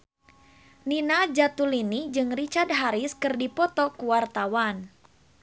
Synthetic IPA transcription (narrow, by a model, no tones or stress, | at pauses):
ninad͡ʒat̪ulinid͡ʒɨŋrit͡ʃard̪̚ɦaɾiskɨrdipɔt̪ɔkuwart̪awan